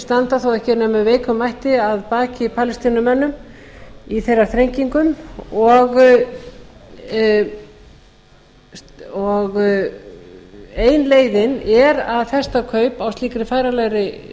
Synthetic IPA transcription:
st̪ant̪aθowɛhcɪɾnɛmɛveːjkʏmajht̪ɪaðpaːcɪpʰaːlɪst̪iːnʏmɛnːʏm | iθejraɾθɾejɲciŋkʏmɔɣ | sɔɣ | eːjnleːjðɪnɛɾaðθɛst̪akʰœɥpawst̪liːkɾɪfaːjɾalajɾɪ

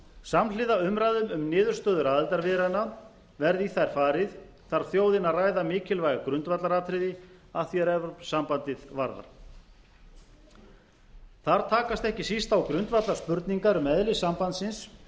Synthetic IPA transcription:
samlɪðaʏmɾaðʏmʏmnɪːðʏɾst̪œːðʏɾaːðɛlt̪aɾvɪɾanːa | vɛɾðiθajɾ̥faːɾɪð | θaɾ̥θjoːwðɪnaraːjðamɪːcɪlvajɣakɾʏnt̪vat̪laɾaːt̪ʰɾɪðɪaθjɛɾɛvɾsampant̪ɪðvaɾða̰ɾ̥ | θaɾ̥t̪ʰaːkast̪ɛhcɪsist̪awkɾʏnt̪vat̪laspʏɾt̪niŋkaɾʏmɛðlɪsampant̪sɪns

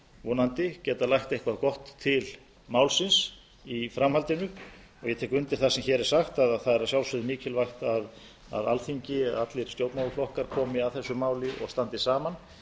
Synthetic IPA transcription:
vɔnant̪ɪcɛːt̪alajxt̪ejhkvaðkɔht̪ʰːɪl | maːwlsɪns | ifɾamhalt̪ɪnʏ | ɔɣjɛt̪ʰɛːkʏnt̪ɪlθasɛmçɛːɾɛɾ̥saxt̪aðθaðɛɾaðsjawlsʏðɪmiːcʰɪlvajxt̪að | a̰ðalθiɲcɪðat̪lɪɾ̥st̪jowt̪nmawʏflɔhkaɾkʰɔːmɪaðθɛsːʏmaːwlɪʔɔ̰ɣst̪ant̪ɪsaːman

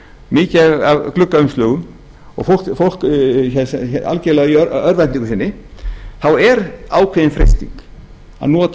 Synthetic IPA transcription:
mɪːcaavklʏkːaʏmst̪lœːɣʏm | ɔ̰ɣfowl̥fowl̥kçɛsɛa̰lcɛlaɣiœœɾvɛniŋkʏsɪnːɪθawɛɾaːwkʰveːðɪnfɾejst̪ḭŋk | a̰ðnɔːt̪

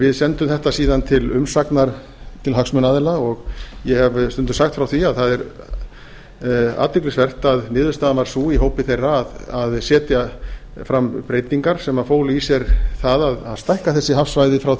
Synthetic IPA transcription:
vɪðsɛnt̪ʏmθɛht̪asiːðant̪ʰɪlʏmsaknaɾ̥ | t̪ʰɪlɦaksmʏnaðɛlaɔɣjɛhɛvst̪ʏnt̪ʏ̥saxt̪fɾawθiaðθaðɛɾ | a̰ːt̪vɪklɪsvɛr̥t̪aðnɪːðvʏ̥st̪aːðanaɾ̥suːiɦoːwpɪθejrːaːðaðsɛːt̪ja | fɾampɾeːjt̪niŋkaɾ̥sɛmafoːwlisjɛɾθaðaðaðst̪ajhkaθɛsːɪhafsvajðɪfɾaw

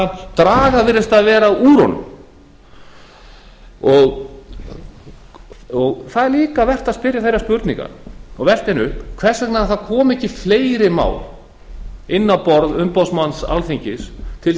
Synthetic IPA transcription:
t̪ɾaːɣavɪɾːɪst̪aðvɛːɾauːɾɔ̰nʏ̰m | ɔɣ | ɔɣθaðɛɾliːkavɛr̥t̪aðspɪɾjaθejɾaspʏɾt̪niŋka̰ɾɔɣvɛr̥t̪ɛnʏhpkʰv̥ɛr̥sɛknaθaðkʰɔːmʏɛhcːɪfleːjɾɪma̰ːwl | ɪnːawpɔɾðʏmpawsmansa̰lθiɲcɪst̪ʰɪl

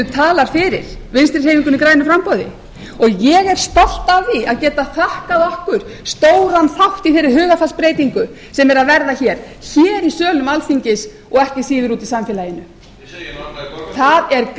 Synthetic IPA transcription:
ʏt̪ʰaːlaɾ̥fɪɾɪɾ̥vɪnst̪ɾɪrheːjviŋkʏnikɾaːjnʏfɾampɔðɪ̰ | ɔɣjɛɣɛɾ̥st̪ɔl̥t̪avðiaðcɛːt̪aθahkaðɔhkʏɾ̥ | st̪oːwɾanθawht̪iθejɾːɪɾhʏːɣafaspɾeːjt̪iŋkʏ | sɛmɛɾaðvɛɾðaçɛːɾ̥ | çɛːɾisœːlʏmalfiɲcɪs | ɔɣɛhcɪsiːðʏɾuːt̪isamfɛːlajɪnʏ | θaðɛɾk

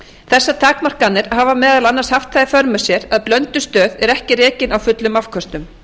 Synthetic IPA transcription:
θɛsːat̪ʰaːkmar̥kanːɪɾhaːvamɛːðalanːaɾshaft̪θaðɪfœɾmʏ̥sjɛɾaðplœnt̪ʏ̥st̪œːðɛɾɛhcɪrɛːcɪnawfʏt̪lʏmafkʰɔst̪ʏm

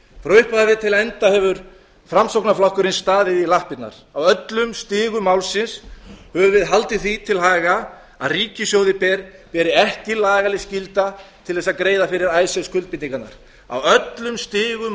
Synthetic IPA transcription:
fɾœɥhpaðavɪt̪ʰɪlɛnt̪ahɛvʏɾ | fɾamsowknaflawhkʏɾɪnst̪aːðɪilahpɪt̪na̰ɾ̥awœt̪lʏmst̪ɪːɣʏmawlsɪnshœvʏɾvɪðɦalt̪ɪθit̪ʰɪlɦaːɣa | aðriːcɪsjowðɪpɛɾpɛːɾɪɛhcɪlaːɣalɪscɪlt̪at̪ʰɪlθɛs̬akɾeːjðafɪɾɪɾaːjsjawskʰʏlt̪̚pɪt̪iŋkat̪na̰ɾ̥ | a̰wœt̪lʏmst̪ɪːɣʏ

